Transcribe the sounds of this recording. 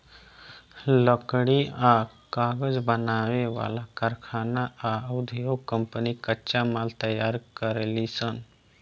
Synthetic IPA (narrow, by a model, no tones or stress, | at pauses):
ləkɽia | kaɡəd͡ʒbənaʋeʋa̰lakəɾkʰaːnaaəwd̪ʱijokəmpənikət͡ʃamalt̪əjaɾkəɾlisən